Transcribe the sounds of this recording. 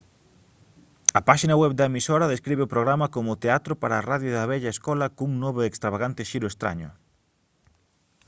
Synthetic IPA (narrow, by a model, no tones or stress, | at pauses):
ɐpaʃinɐwɛβd̪ɐemisoɾɐðeskɾiβeʊpɾoɣɾamɐkomʊt̪eat̪ɾʊpaɾaːraðjʊðɐβɛʎɐeskɔlɐkuŋnoβoekst̪ɾaβaɣ̞ant̪ɪʃiɾʊest̪ɾa̰ɲʊ̰